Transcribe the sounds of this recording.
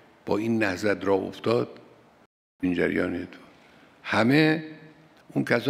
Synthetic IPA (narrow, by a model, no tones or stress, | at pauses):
b̥ɒːiːnːæhzæt̪ɾɒːo̰ft̪ɒːd̪̚ | ind͡ʒæ̰ɾjɒːnet̪ʰ | hæme | unkʲʰæsɒ